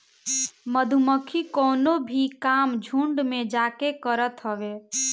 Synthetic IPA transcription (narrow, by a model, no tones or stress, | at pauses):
məd̪ʱuməkʰikɔːnobʱikaːmd͡ʒʱũɳɖmẽd͡ʒaːkekəɾət̪ɦəʋe